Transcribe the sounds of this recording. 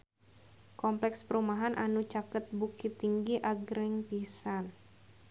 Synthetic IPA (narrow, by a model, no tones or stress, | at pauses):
kɔmplɛkspəɾumaɦanʔanut͡ʃakət̪̚bukit̪ːiŋɡiʔaɡɾɪŋpisan